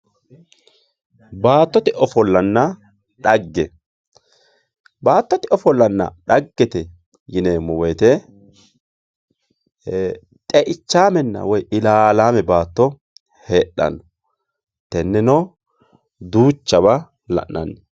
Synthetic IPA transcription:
baːt̪ːɔt̪ɪʔɔfɔlːɐnːɐ | ᶑɐɡːɛ | baːt̪ːɔt̪ɪɔfɔlːɐnːɐ̰ᶑɐɡːɛt̪ɛ | jɪneːmɔwɛt̪ɛ | t̪ʼɛʔɪt͡ʃːaːmɛnːɐ̰wɔjʔɪlaːlaːmɛbaːt̪ːɔ | heːɗɐ̰nɔ | t̪ɛnːɛno | d̪uːt͡ʃːɐβɐ | lɐ̰ʔnɐ̰nː

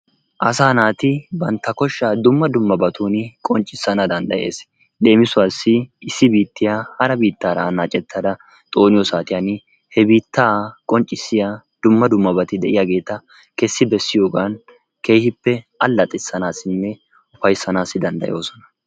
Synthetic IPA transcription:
ʔɐsaːnaːt̪ɪbɐnt̪ːɐkɔʃːaːd̪ʊmːɐd̪ʊmːɐbɐt̪ʰuːnɪkʼɔnt͡ʃʼːɪsːɐnɐd̪ɐnd̪ɐ̰jʔe̞̰ːs | ɗe̞ːmɪsʊaːsːɪɪsːɪbiːt̪ːɪjahɐɾɐbiːt̪ːaːɾɐnaːt͡ʃʼɛt̪ːɐd̪ɐ | t̪ʼo̞ːnɪjɔsaːt̪ɪjaːn | hɛbiːt̪ːaːkʼɔnt͡ʃʼːɪsːɪjaː | d̪̥ʊmːɐd̪ʊmːɐbɐt̪ɪd̪ɛʔɪjaːɡe̞ːt̪ɐ | kɛsːɪbɛsːɪjo̞ːɡaːn | ke̞ːjhɪpːɛʔɐlːɐt̪ʼɪsːɐnaːsɪnːɛ | ʊfɐjsɐnaːsːɪd̪ɐnd̪ɐ̰jo̞ːsɔnɐ̥

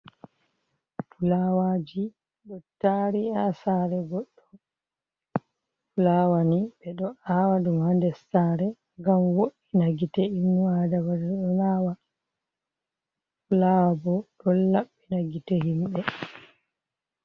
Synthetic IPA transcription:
tulaːwaːd͡ʒi | ɗɔtaɾiasaːɾɛɡɔɗːɔ | tulaːwaniɓɛɗɔaːwadumhandɛsaːɾɛ | ŋɡamwoɗinaɡitɛimwadawadɛɗɔnaːwa | tulawabɔɗɔlaɓːinaɡitɛɦimɓɛ

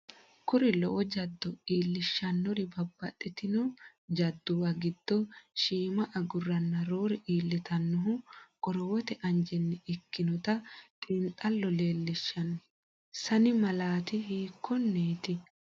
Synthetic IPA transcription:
kʊɾɪlɔʔɔd͡ʒɐd̪ːɔiːlːɪʃːɐnːɔɾɪbɐbːɐt̪ʼːɛt̪ɪnɔ | d͡ʒɐd̪ːʊwɐɡɪd̪̥ːɔʃiːmɐʔɐɡʊrːɐnːɐɾo̞ːɾɛʔiːlːɪt̪ɐnːɔɦʊkʼɔɾɔwɔt̪ɛʔɐnd͡ʒɛnːɛɪkːɪnɔt̪ɐt̪ʼiːnt̪ʼɐlːɔle̞ːlːɪʃːɐnɔ | sɐnɪmɐlaːt̪ɪhiːkʰːɔnːeːt̪ɪ

